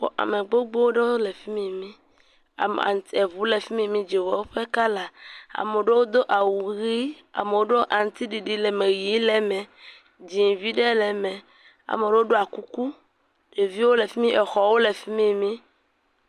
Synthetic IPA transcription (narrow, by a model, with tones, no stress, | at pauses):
ɔ̰˨ʔa̰˨mẽ˨ɡ͡bo˦ɡ͡bo˦wo˦ɖe˦wo˦le˨fi˦mĩ˦mĩ˦ | a̰˨a̰˨ŋ˨t̪i˦e˨vu˨˦le˨fi˦mĩ˦˨mĩ˦d͡ʒi˨wɔ˨wo˦ɸe˦ka˦la˨a̰˨me˨ɖe˦wo˦d̪o˦ʔa˨wu˨ɣi˦ | a̰˨me˨wo˦ɖo˦ʔa˨ŋ˨t̪i˦ɖi˨ɖi˨le˨me˨ɣi˨˦le˨mɛ̃˨ | d͡ʒi˨vi˦ɖe˦lɛ˨mɛ̃˨ | a̰˨me˨ɖe˦wo˦ɖo˦a˨ku˦ku˦ | je˨vi˦wo˦le˨fi˦mĩ˦ʔɛ˨xɔ˨wo˦le˨fi˦mĩ˦mĩ˦